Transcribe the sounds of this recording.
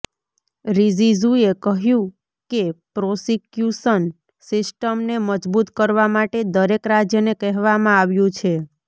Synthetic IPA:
ɾizizuekəɦjũ | kepɾosikjuʃən | sɪsʈəmneməd͡ʒbut̪kəɾʋamaʈed̪əɾekɾad͡ʒjənekɛɦʋamãaʋjũt͡ʃʰe

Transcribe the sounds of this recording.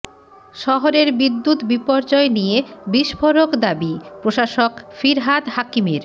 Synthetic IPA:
ʃɔɦoɾeɾbid̪ːut̪bipɔɾd͡ʑɔenijebiʃfoɾokd̪abipɾoʃaʃokfiɾɦad̪hakimeɾ

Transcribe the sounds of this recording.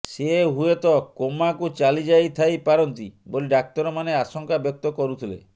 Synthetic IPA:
seɦuet̪ɔkomakut͡ʃalid͡ʒajt̪ʰajpaɾɔnt̪iboliɖak̚t̪ɔɾɔmaneasɔŋkabjɔk̚t̪ɔkɔɾut̪ʰilḛ

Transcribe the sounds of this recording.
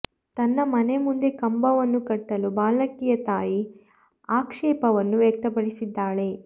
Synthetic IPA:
t̪ɐnːɐmɐne̞mund̪e̞kɐmbɐʋɐnːukɐʈːɐlubaːlɐkijɐt̪aːji | aːkʂɛːpɐʋɐnːuʋjɐk̚t̪ɐpɐɽisid̪ːaːɭe̞

